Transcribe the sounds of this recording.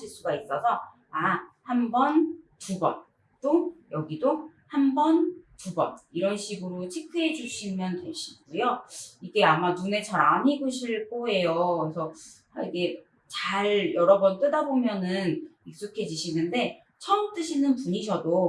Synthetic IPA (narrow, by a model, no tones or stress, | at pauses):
iɭs͈uɡais͈ʌsʰʌ | ahambʌntubʌ̰n | t͈ojʌɡido | hambʌntubʌ̰niɾʌnɕʰiɡɯɾot͡ɕʰikʰɯɦe̞d͡ʑuɕʰimjʌntwe̞ɕʰi̥ɡujoiɡe̞amanune̞t͡ɕʰaɾaɲiɡoɕʰiɭk͈oe̞joesʰʌ | aiɡe̞ | t͡ɕaɭjʌɾʌbʌnt͈ɯdabomjʌnɯnik̚s͈okʰe̞d͡ʑiɕʰinɯnde̞ | t͡ɕʰʌmt͈ɯɕʰinɯnpuɲiɕʰʌdo